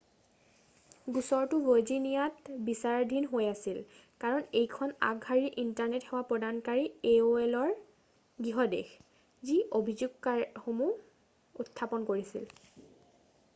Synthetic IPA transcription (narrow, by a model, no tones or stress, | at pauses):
ɡusɔɹtʊvojd͡ʒinijatbisaɹdʱinɦojasil | kaɹɔnejkʰɔna̰ɡɦaɹiʔintaɹnethɛwapɹɔdankaɹieoɛlɔɹ | ɡiɦɔdḛx | ziʔobʱizuɡkaxomu | utʰːapɔnkoɹisḭl